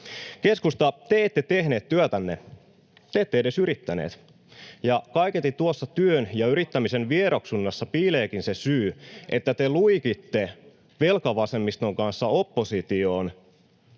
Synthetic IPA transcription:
ke̞skust̪ɑt̪eet̪ːet̪ehneːt̪tyøt̪ænːḛ | t̪eeːt̪ːeede̞syɾit̪ːænḛːt̪ | jɑkɑiket̪ːˑit̪uosːɑt̪yønjɑyɾit̪ːæmisenʋieɾoksunːɑsːɑpiːleːkinsesyːʔet̪ːæt̪eluikit̪ːe | ʋelkɑʋɑsemːist̪oŋkɑnsːɑopːosit̪ioːn

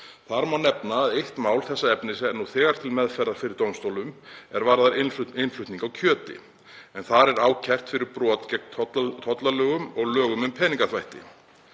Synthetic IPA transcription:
θaɾmawnɛpnaːðejht̪maːwlθɛsːaɛpnɪsɛnuθɛːɣaɾ̥t̪ʰɪlmɛðfɛɾðaɾ̥fɪɾɪɾ̥t̪owmst̪owlʏmɛɾvaːɾðaɾɪnɪnflʏht̪iŋkawcʰœːt̪ɪ̰ | ɛnθaɾɛɾaːwcʰɛr̥t̪fɪɾɪɾpɾɔːt̪cɛt̪ʰt̪ʰɔt̪lalœːɣʏmɔɣlœːɣʏmʏmpʰɛːniŋkaθvajht̪ɪ̰

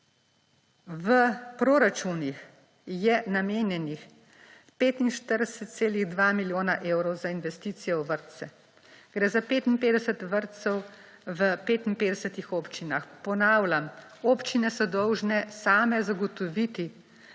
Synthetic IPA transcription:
ʋəpɾoːɾat͡ʃunix | jɛnameːnjɛnix | peːt̪inʃt̪əɾd̪ɛsət̪t̪seːliɣd̪ʋamiljoːnaʔeːwɾɔwzainʋɛst̪iːt̪sijɛwʋəɾt̪sɛ | ɡ̥ɾɛːzapeːt̪inpeːd̪ɛsət̪ʋəɾt̪sɛw | ʋəpeːt̪inpeːd̪ɛsət̪ixoːpt͡ʃinaxpɔnaːwlam | oːpt͡ʃinɛsɔd̪ɔwʒnɛsaːmɛzaɡɔt̪ɔʋit̪i

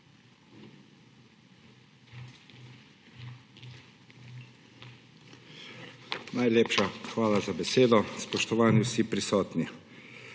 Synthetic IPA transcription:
najleːpʃaxʋaːlazabɛseːd̪ɔspɔʃt̪ɔʋaːniwsipɾisɔːt̪ni

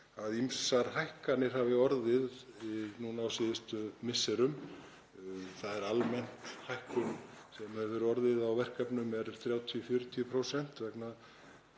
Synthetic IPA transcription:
aðimsaɾ̥ɦajhkanɪɾ̥haːvɪɔɾðɪðnunawsɪːðɪst̪ʏmɪsːɛɾʏm | θaðɛɾalmɛn̥t̪hajhkʏmsɛmɛðvɛːɾʏɔɾðɪðawvɛr̥kapnʏmɛɾθɾjaːwt̪ʰiɔfjʏɾʏt̪ʰiʏpʰɾosɛn̥t̪vɛkna

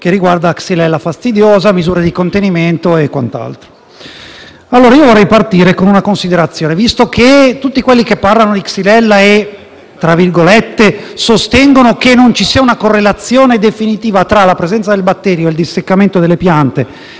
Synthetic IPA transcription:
k̟erːiɡward̪aksilɛlːafast̪id̪joːzamizuːɾed̪ikont̪eniment̪oekːwa̰nt̪a̰lt̪ɾo | alːoːɾaiːovorːɛjpart̪iːɾekonunakonsid̪eɾat̪sːjoːnevist̪oket̪ːut̪ːikwelːikepːarlanod̪iksilɛlːae | t̪ːɾavirɡolet̪ːesost̪ɛŋɡonokenːont͡ʃisiːaunakorːelat̪sːjoːned̪efinit̪iːvat̪ɾalapɾezɛnt̪sad̪elbat̪ːɛːɾjoeld̪isːekːament̪od̪elːepjant̪e

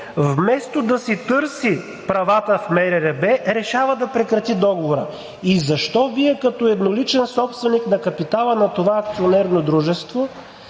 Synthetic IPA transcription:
vmɛst̪od̪ɐsit̪ɤɾsi | pɾɐvat̪əfmɛɾɛɾɛbɛɾɛʃavəd̪ɐpɾɛkɾɐt̪id̪ɔɡovoɾə̰ | izɐʃt̪ɔviɛkɐt̪ɔɛd̪nolit͡ʃɛnsɔpst̪vɛniknɐkɐpit̪alˠənɐt̪ovaɐkt̪sionɛɾnod̪ɾuʒɛst̪vo

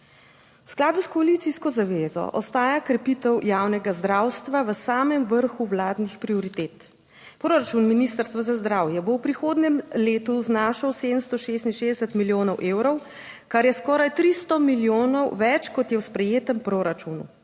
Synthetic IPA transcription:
wsklaːd̪uskɔalit̪siskɔzaʋeːzɔ̰ʔɔ̰st̪aːjakɾɛpit̪ɛwjaːwnɛɡazd̪ɾaːwst̪ʋaʋəsaːmɛmʋəɾxuʋlaːd̪nixpɾiɔɾit̪eːt̪ | pɾoɾat͡ʃunminist̪əɾst̪ʋazazd̪ɾaːwjɛbowpɾixoːd̪nɛmleːt̪uznaːʃəwseːd̪əmst̪ɔʃest̪inʃeːzd̪ɛsət̪miljoːnɔwʔeːwɾɔw | kaɾjɛskɔːɾajt̪ɾist̪ɔmiljoːnɔwʋɛt͡ʃkɔt̪jɛwspɾɛjeːt̪əmpɾoɾat͡ʃunṵ

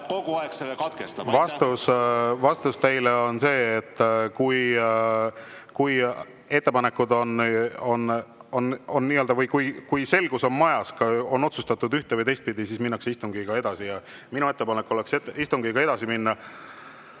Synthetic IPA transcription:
koɡ̥uɑekselekɑt̪kest̪ɑvɑsst̪usvɑst̪ust̪ejleo̞nse̞ːt̪ːkuj | kuj | e̞t̪ːe̞pɑne̞kːˑud̪o̞no̞nono̞nːiːøld̪ɑvɤjkujkujse̞lɡ̥uso̞nmɑjɑskɑo̞no̞t̪sust̪ɑt̪ːˑud̪yht̪evəjt̪e̞jst̪̚pid̪isiːsminːɑkseist̪uŋɡ̥iɡ̥ɑe̞d̪̥ɑsijɑ | minue̞t̪ːe̞pɑnekːˑo̞le̞kset̪ist̪uŋɡiɡ̥ɑe̞d̪̥ɑsiminːɑ

